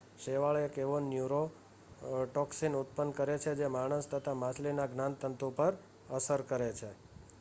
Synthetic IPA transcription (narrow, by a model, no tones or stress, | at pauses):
ʃeʋaɭekeʋonjuɾo | ʈɔksinut̪̚pənkəɾet͡ʃʰed͡ʒemaɽ̃əst̪ʰət̪ʰamaslinaɡnãnt̪ənt̪upəɾ | əsəɾkəɾet͡ʃʰe